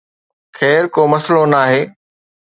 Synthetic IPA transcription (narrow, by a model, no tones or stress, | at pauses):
xɛːɾkoːmɐslonaːɦeː